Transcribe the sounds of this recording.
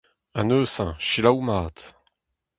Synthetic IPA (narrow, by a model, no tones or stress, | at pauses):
ãnøːsɛ̃ʃilawmaːt̪